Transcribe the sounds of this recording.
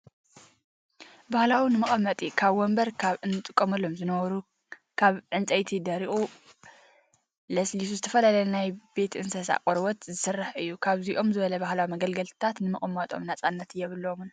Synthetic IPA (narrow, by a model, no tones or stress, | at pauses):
bahlawinɨmɨχʼɐmːɐt̪ʼikʰaβwɔmbɐɾkʰaβʔɨnt̪ʼɨkʼːomɐlːo̞mzɨnɐβɐɾu | kʰaβʕɨnt͡sʼɐjt̪ʰid̪ɐɾiʔʼu | lɐslisuzɨt̪ʰɐfɐlalɐjnajbe̞t̪ʰʔɨnsɐsa̰kʼoɾwɔt̪zɨsɨrːaħɨjːukʰaβziʔo̞mzɨβɐlɐbahlawimɐɡɐlɡɐlt̪t̪ʰat̪nɨmɨχʼmːɐt̪ʼo̞̰mnat͡sʼanːɐt̪ɨjːɛβɨlːomn